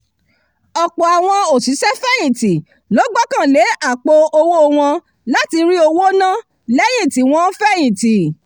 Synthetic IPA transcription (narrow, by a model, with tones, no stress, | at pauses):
ɔ˨k͡pɔ˨a˨w̃ɔ̃˧o˨si˨˦sɛ˦fɛ˦˨jĩ˨ti˨ | lɔ˨˦ɡ͡bɔ˦kã˦˨le˨˦ʔa˦˨k͡po˧o˧wo˦˧w̃ɔ̃˧ | la˦ti˧ɾi˦o˧wo˦nã˦ | lɛ˦j̃ĩ˦˨ti˨w̃ɔ̃˦fɛ˦j̃ĩ˨ti˨